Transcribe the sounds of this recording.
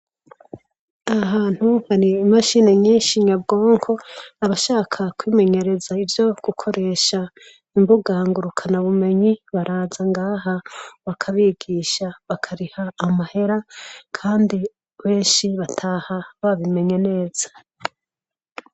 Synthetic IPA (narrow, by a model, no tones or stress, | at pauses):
aɦaːn̥huhaɾiːmaʃine̞ɲiːnʃiɲabɡo̞ːŋkʰo̞aβaʃaːkʰakwiːme̞ɲe̞ɾe̞zaivjo̞ɡ̥ukʰo̞ɾe̞ːʃa | imbuɡaːŋɡuɾukʰanaβume̞ɲiβaɾaːzaŋɡaːɦaβakʰaβiːɡiʃaβakʰaɾihaːmahe̞ɾakʰaːndi | βe̞ːnʃiβatʰaːhaβaβime̞ɲe̞ne̞ːz̥ḁ